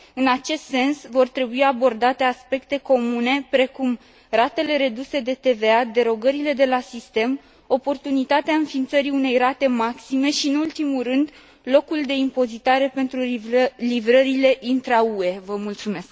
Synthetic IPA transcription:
ɨnat͡ʃe̞st̪se̞nsvo̞rt̪ɾe̞buiabo̞rd̪at̪e̞aspe̞kt̪e̞ko̞mune̞pɾe̞kum | rat̪e̞le̞ɾe̞d̪use̞d̪e̞t̪e̞ve̞ad̪e̞ɾo̞ɡəɾile̞d̪e̞lasist̪e̞m | o̞po̞rt̪unit̪at̪eaɨnfiːnt̪səɾiune̞jrat̪e̞maksime̞ʃiɨnult̪imurɨnd̪ | lo̞kuld̪e̞impo̞zit̪aɾe̞pe̞nt̪ɾulivɾəɾile̞ʔint̪ɾeaue̞vəmult̪sume̞sk

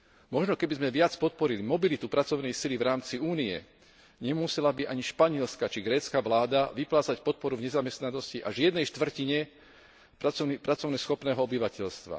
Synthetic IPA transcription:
mɔʒnɔkɛbizmɛʋɪat͡spɔt̪̚pɔɾilimɔbilit̪upɾat͡sɔʊnɛjsilivɾaːmt͡siuːniɛ̰ | ɲɛmusɛlabiʔaɲiʃpaɲɪɛlskat͡ʃiɡɾɛːt͡skaʋlaːd̪aʋiplaːt͡sacpɔt̪̚pɔɾuvɲɛzamɛst̪nanɔsciʔa̰ʒɪɛd̪nɛjʃt̪ʋr̩ciɲɛ | apɾat͡sɔʊnɛsxɔpnɛːɦɔɔbiʋacɛʎst̪ʋa̰

